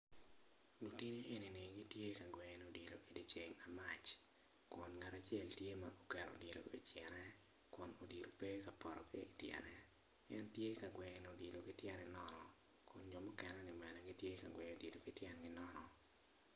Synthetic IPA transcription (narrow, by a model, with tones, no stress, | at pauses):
lu˨ti˦ni˦ʔe˨ni˨nɪ˨ɡi˦tje˦ka˨ɡwɛ˨no˨di˨lo˨ʔi˨di˨t͡ʃe˨ŋa˨ma˦t͡ʃ | kʊ˨nŋa˨ɾa˨t͡ʃe˦ltje˦maʔokɛ˨ɾo̰˨di˨lo̰˨i˨t͡ʃjɛ˨nɛ˦ | kʊ˨no˨di˨ɾo˨pe˦ka˨pɔ˨ɾɔ̰˨ke˦i˨tjɛ̰˨nɛ˦ | ɛ˦ntje˦ka˨ɡwɛ˨no˨di˨lo˨ɡɪ˦tjɛ˦nɛ˨nɔ˦nɔ˨ | kʊ˨nd͡ʒɔ˨mɔ˦kɛnɛ˦nɪ˨mɛ˨nɛ˨ɡi˦tje˦ka˨ɡwɛ˨o˨di˨do˨ɡɪ˦tjɛ˦nɡɪ˦nɔ˦nɔ˨